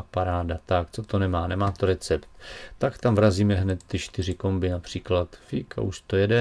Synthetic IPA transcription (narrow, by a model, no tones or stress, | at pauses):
paɾaːdat̪akt͡sot̪o̞nɛmaːnɛmaːt̪o̞ɾɛt͡sɛpt̪t̪akt̪amvɾaziːmɛɦnɛt̪ːɪt͡ʃt̪ɪr̝ɪko̞mbɪnapr̥iːklat̪fikʰa̰ʔuʃt̪ojɛdɛ